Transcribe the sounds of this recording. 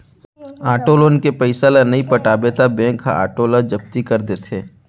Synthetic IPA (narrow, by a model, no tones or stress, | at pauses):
aːʈoːlonkepɐɪsalanɐɦĩpɐʈaːbet̪abẽːkʰa̰a̰ːʈoːlad͡ʒɐb̚t̪ikɐɾd̪et̪ʰeː